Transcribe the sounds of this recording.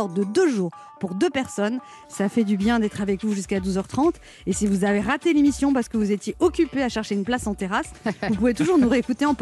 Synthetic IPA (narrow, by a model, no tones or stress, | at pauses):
ɔʁd̪əd̪øʒuːʁ | puʁd̪øpɛʁsɔn | safɛd̪ybjɛ̃d̪ɛt̪χavɛkvuʒyskad̪uzœʁt̪χɑ̃t̪ | esivuzaveʁat̪elemisjɔ̃paʁsə̥kəvuzet̪jeʔɔkʲypeaʃɛʁʃeynplasɑ̃t̪eʁasvupuvet̪uʒuʁnuʁeːkut̪eɑ̃p